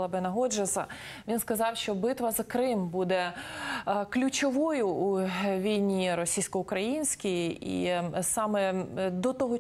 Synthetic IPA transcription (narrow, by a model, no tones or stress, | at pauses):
ɐbɪnɐɦɔd͡ʒɪsɐ | ʋʲinskɐzɑwʃt͡ʃɔbɪt̪ʋɐzɐkɾɪmbud̪ɛ | klʲʊt͡ʃɔʋɔjʊuʋʲijnʲiɾɔsʲijsʲkɔʊkɾɐjinʲsʲkʲijḭsɑmɛd̪ɔt̪ɔɦɔ